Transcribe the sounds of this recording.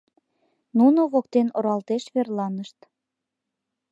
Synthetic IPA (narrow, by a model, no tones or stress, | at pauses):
nunoβokt̪enoɾɑlt̪eʃβerlɑnəʃt̪